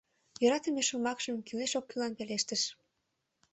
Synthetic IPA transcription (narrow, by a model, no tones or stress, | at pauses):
jøɾɑt̪əmeʃumɑkʒəmkyleʃokːylɑnpeleʃt̪əʃ